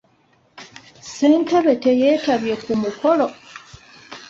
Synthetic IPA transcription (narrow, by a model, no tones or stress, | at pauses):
seːnteβe̞te̞je̞ːtaβje̞kumuko̞lo